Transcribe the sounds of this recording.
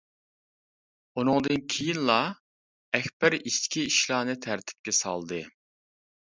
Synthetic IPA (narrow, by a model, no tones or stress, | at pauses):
unɨŋd̪ɨnkʲʰijinlˠɑ | ɛxʲbɪɾiʃt̪ʰkʲʰiiʃlˠɑːnɨt̪ʰæɾt̪ʰɪ̥p̚kʲɛsɑ̰lˠd̪ɨ